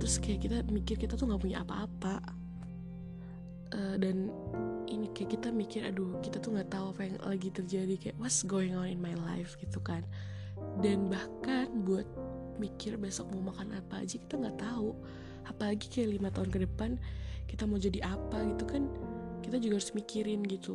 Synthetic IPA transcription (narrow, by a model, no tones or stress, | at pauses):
t̪ɾʊskajaʔkit̪amikɪrkit̪at̪uŋɡaʔpuɲa̰ʔapa̰ːpa | ʔədanʔinikajaʔkit̪amikɪra̰dʊkit̪at̪uŋɡaʔt̪auapajaŋlʔaɡit̪ərd͡ʒadikajaʔwɔtsɡoɪŋɔnɪnmajla̰jfɡ̥it̪ukan | danbahkanbuat̪̚ | mikɪrbesɔk̚maumakanapa̰ːd͡ʒaki̥t̪aŋɡaʔt̪au | apalaɡikajalimat̪aʊnkədəpankit̪amaud͡ʒadiʔapaɡit̪ukankit̪ad͡ʒuɡaaɾʊsmikiɾɪnɡit̪u